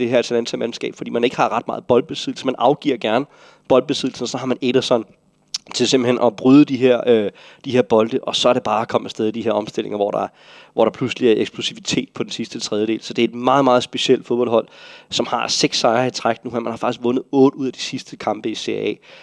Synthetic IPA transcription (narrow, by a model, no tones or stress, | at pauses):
d̥ehæɐsʰelænsʰæmem̩sɡ̥ɛ̰ːb̥fd̥ḭːmæne̝ɡ̥ə̥hɑ̈ʁɑ̈d̥̚mɑ̈ːð̞̩ˠb̥ɒ̽ld̥̚b̥e̝siðˠl̩səmænʔɑ̈ʊɡ̥ḭɐɡ̥æɐn | b̥ɒ̽ld̥̚b̥e̝siðˠl̩sn̩ɒsɒ̽hɑ̈mæned̥ɐsɒn | t͡sʰe̝lse̝m̥̩henʔɒ̽b̥ʁyð̞ˠəd̥iɦeɐ̰ø | d̥iɦe̝ɐb̥ɒ̽ld̥əʔɒ̽sɒ̽æɐɾe̝b̥ɑ̈ːɒkʰɒ̽m̰əsd̥eðˠid̥iɦe̝ɐ̰ɒ̽msd̥e̝l̰e̝ŋɐʋɒ̰ɾɑ̈ | ʋɒ̰ɾ̥ɑ̈pʰlusəliæɐeɡ̥sb̥lusiʋit͡sʰe̝̰ːd̥̚pʰɒ̥̽ensisd̥ət͡sʰʁɛð̞ˠjəɾe̝̰ːlsɒ̽d̥e̝æe̝d̥mɑ̈ːð̩ˠmɑːð̩ˠsb̥e̝ɕiel̰d̥foðˠb̥ɒ̽lhɒ̽l̰sɒ̽mhɑ̈seɡ̥sːɑ̈ɪɐit͡sʰʁaɡ̥d̥nuheɐ̰mænhɑ̈fɑ̈ɡ̥isɡ̥ʋɔ̽nəð̩ˠɔ̽ːd̥uð̞̰ˠæd̥i̥sisd̥əkʰɑ̈mb̥əise̝ɛ̰ː